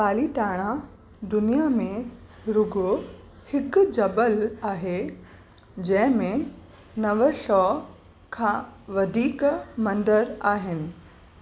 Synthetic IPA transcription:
paːliʈaːɽ̃a | d̪ʊnijamẽɾʊɡʱo | hɪkd͡ʑɐbəlaːɦe | d͡ʑɐ̃ɦɪ̃mẽ | nɐʋəʃɔː | kʰãːʋɐd̪ʱiːkmɐ̃nd̪əɾaːɦɪnɪ̆

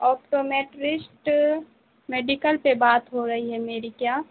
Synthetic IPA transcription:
ɔːpʈoːmeːʈɾɪsʈ | meːɖɪkəlpebaːt̪ɦoɾɐɦiɦɛmeːɾikjaː

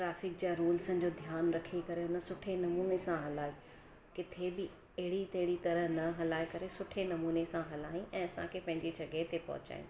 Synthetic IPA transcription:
ʈɾaːfɪk̚d͡ʑaɾuːlsə̃d͡ʑod̪ʱjaːnɾɐkʰikɐɾeʊnə̆sʊʈʰenɐmuːnesãɦɐlaːi | kɪt̪ʰebɪ | ɐɦɪɽit̪ɐɦɪɽ̃it̪ɐɾəɦnɐɦɐlaːekɐɾesʊʈʰenɐmuːnesãɦɐlaːĩʔɛ̃ːɐsã̰kʰepɐ̃ɦɪ̃ɲd͡ʑid͡ʑʰʱɐɡet̪epɐ̰ɦʊ̰t͡ɕa̰ːɦḭ̃ː

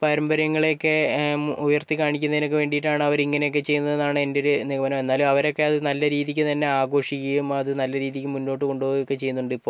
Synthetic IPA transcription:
pɐɾɐmbɐɾɐŋːɐɭeokːe̞ujɐrt̪ikaːɳikʲːunːɐðino̞k̬ːeʋe̞ːɳɖiʈːaːɳɨɐʋɐɾiŋːɐne̞jokːe̞t͡ɕe̞jːunːɐðenːaːɳɨe̞ndeo̞ɾuniɣɐmɐnɐme̞nːaːlumɐʋɐɾo̞kːe̞ɐðɨnɐlːɐɾiːðikʲːɨt̪ɐnːe̞aːɡo̞ːʂikʲːɐjumɐðɨnɐlːɐɾiːðikʲːɨmunːo̞ːʈːɨko̞ɳɖuʋoːɣokːet͡ɕe̞junːuɳɖɨipːo̞ː

